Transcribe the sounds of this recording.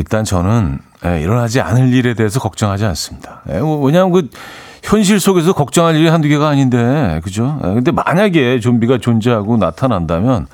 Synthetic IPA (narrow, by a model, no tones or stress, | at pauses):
iɭt͈ant͡ɕʌnɯn | jeḭɾʌnɦad͡ʑia̰nɯʎːiɾe̞de̞ɦːsʰʌkʌk̚t͡ɕ͈ʌŋɦad͡ʑians͈ɯmɲid̥ajeweɲamɯnkɯ | çjʌnɕ̬ʰiɭs͈oɡe̞s̬ʰʌkʌk̚t͡ɕ͈ʌŋɦaʎːiɾihanduɡeɡaːɲinde̞kɯd͡ʑojḛkɯnde̞ma̰ɲaɡe̞t͡ɕombiɡat͡ɕond͡ʑeɦaɡona̰tʰanandamjʌn